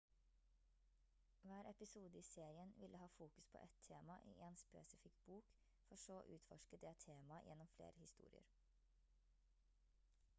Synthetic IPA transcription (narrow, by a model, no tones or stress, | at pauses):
ʋæːɾʔɛpɪsuːd̪əiːseːɾɪənʋɪlʔəhɑːfuːkʉ̥spʰo̰ːʔɛt̪ʰeːmɑʔḭːʔeːnspḛːsɪfɪkt̪buːk | fɔʂoːʔʉ̰ːt̪fɔʃkəd̪ɛt̪ʰːeːmɑjʔɛ̰nːɔmflḛːɾəhɪst̪ṵːɾɪ̰ə̰ɾ